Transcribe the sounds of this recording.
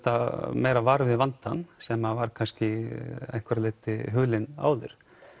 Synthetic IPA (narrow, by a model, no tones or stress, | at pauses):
t̪amejɾavaɾvɪðvant̪anːsɛmavaɾ̥kʰanscɪɛjŋ̥kʰvɛɾaleːjt̪ɪɦʏːlɪna̰ːwðʏ̰ɾ̥